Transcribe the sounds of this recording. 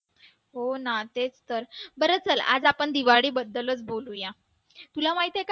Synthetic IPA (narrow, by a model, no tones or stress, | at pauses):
ɦonat̪et͡st̪əɾbəɾət͡səla̰d͡zapəɳd̪iʋaɽiːbəd̪ːələt͡sboluja | t̪ulamaɦit̪jek